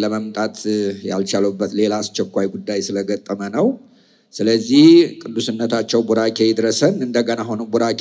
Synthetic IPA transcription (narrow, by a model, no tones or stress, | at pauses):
ləməmt̪ʼat̪ja̰lt͡ʃaləbːət̪le̞laːst͡ʃːɛkʷːajɡud̪ːajsɨləɡət̪ʼːəmənəw | sɨləzːihkʼɨd̪ːusɨnːət̪ʰat͡ʃːɛwbuɾakʰejɪd̪ɾəsənɨnd̪əɡənaɦonubuɾakʰ